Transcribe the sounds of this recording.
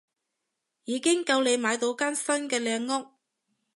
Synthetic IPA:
jiː˨˧kɪ˥ŋkɐ˧wle˨˧jmaː˨˧jt̪o˨˧wkaː˥nsɐ˥nkɛː˧lɛː˧ŋːʊ˥k̚

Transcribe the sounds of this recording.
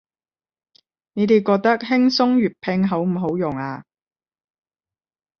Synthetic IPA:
ne˨˧t̪e˨˧jkɔː˧k̚t̪ɐ˥k̚hɪ˥ŋsʊ˥ŋɥyː˨˩t̚pʰɛ˧ŋɦɐ˨˥wm̩˨˩ɦo˨˥wjʊ˨˩ŋaː˧

